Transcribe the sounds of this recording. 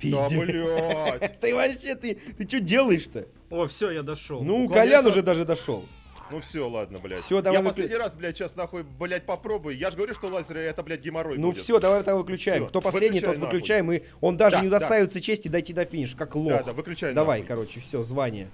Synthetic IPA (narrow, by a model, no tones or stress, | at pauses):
pʲilʲat̪ɨvɐɕːet̪ɨt̪ɨt͡ɕudʲelˠəjɪʂt̪ə | ofsʲojad̪ɐʂolˠnukɐlʲanʊʐɛd̪aʐɨd̪ɐʂo̞̰lˠ | nufsʲo̞lˠa̰d̪̚nəblʲæ̰fsʲo̞d̪ɐvjavɨsʲedʲnʲɪɾasblʲætʲt͡ɕːasnɐxoblʲæt̚ʲpɐpɾo̞bʊjʊjaʐɡəvɐɾʲuʂt̪olˠazʲɪɾəɐt̪ɐblʲæt̚ʲɡʲɪmɐɾonufʲfsʲo̞d̪ɐvajvɨt̪avɨklʲʉt͡ɕæjɪmkt̪o̞pɐsvlednɪj̪ovɨklʲʉt͡ɕæjɪmɨ | o̞nd̪aʐɨnnɪʊd̪ɐsd̪t̪ajɪvɪt̪sət͡ɕesʲtʲɪd̪ɐjtʲid̪ɐfʲinʲɪʂkaklˠod̪avɨklʲʉt͡ɕæjd̪ɐvajkɐɾo̞t͡ɕːɪfsʲozvanʲɪjə̰